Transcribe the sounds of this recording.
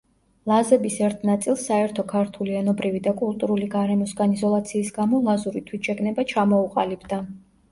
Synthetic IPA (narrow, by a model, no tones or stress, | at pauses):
lˠazɛbisɛɾt̪ʰnat̪sʼilˠsːaɛɾt̪ʰɔkʰaɾt̪ʰuliɛnɔbɾivid̪akʼulˠt̪ʼuɾuliɡaɾɛmɔsɡanizɔlˠat̪sʰiːsɡamɔlˠazuɾit̪ʰwit̪ʃɛɡnɛbat͡ʃʰamɔuqʼalibd̪a